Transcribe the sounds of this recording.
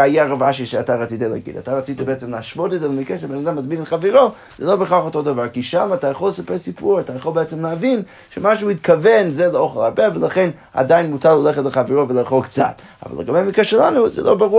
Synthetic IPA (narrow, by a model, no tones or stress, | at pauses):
ajaʁavaʃiʃeataʁat͡sitelˠa̰ɡḭda̰tʰaʁat͡sitabeɛt͡səmlaʃvodəzɛlˠəmikɛʃəbɛnadamːazminɛtχaviɾo | z̥ɛlˠobəχaχotodavaɾkiʃamatajaχolˠsapɛɾsipʰuɾatajaχolˠbeɛt͡səmlavin | ʃɛmaʃuitkʰavɛnzɛlˠəoχelˠaɾbɛvəlˠaχen | a̰daɪnmutʰaɾlˠalɛχətlˠəχaviɾovəlˠeχokt͡sa̰t | a̰va̰ləɡabejmikɾɛʃɛlˠanuzɛ̰lˠʔo̰baʁu